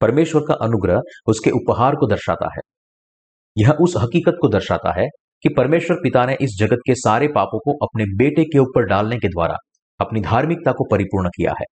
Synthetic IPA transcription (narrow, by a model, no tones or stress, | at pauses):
pɐɾmeːʃwəɾkaʔɐnʊɡɾəɦʊskeʔʊpɦaːɾkod̪ɐɾʃa̰ːt̪a̰ɦɛ̰ː | jɐɦʔʊsɦɐkiːkət̪̚kod̪ɐɾʃaːt̪a̰ɦɛ | kipɐɾmeːʃwəɾpɪt̪aneʔɪs̬d͡ʒɐɡət̪̚kesaːɾepaːpõkoʔɐpnebeːʈekeuːpəɾɖaːlneked̪wa̰ːɾa̰ | ɐpnid̪ʱaːɾmɪk̚t̪akopɐɾɪpuːɾɳkija̰ɦɛ̰ː